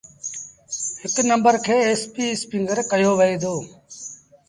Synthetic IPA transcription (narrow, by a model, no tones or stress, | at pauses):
hɪknəmbəɾkʰeːeːspiːspɪŋɡəɾkəjoːʋəeːd̪oː